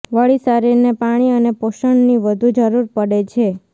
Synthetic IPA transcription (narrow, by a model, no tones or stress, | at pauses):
ʋəɭisaɾiɾnepaɽ̃iənepoʃəɳniʋəd̪ʱud͡ʒəɾuɾpəɽet͡ʃʰe